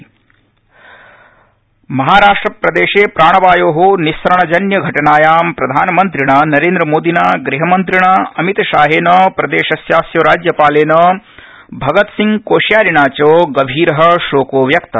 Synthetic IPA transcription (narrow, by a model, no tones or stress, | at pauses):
mɐɦaːɾaːʂʈɾɐpɾɐd̪eːʃeːpɾaːɳ̃ɐʋaːjoːɦonisɐɾɐɳɐd͡ʒɐnjɐɡʱɐʈɐɳaːjaːmpɾɐd̪ʱaːnɐmɐnt̪ɾiɳɐnɐɾeːnd̪ɾɐmoːd̪inaːɡɾiɦɐmɐnt̪ɾiɳɐɐmit̪ɐʃaːɦeːnɐpɾɐd̪eːʃɐsjaːsjɐɾaːd͡ʒjɐpaːleːnɐ | bʱɐɡɐt̪siŋɡkoːʃjaːɾiɳaːt͡ʃoːɡɐʋʱiːɾɐɦɐ̆ʃoːkoːʋjɐkt̪ɐ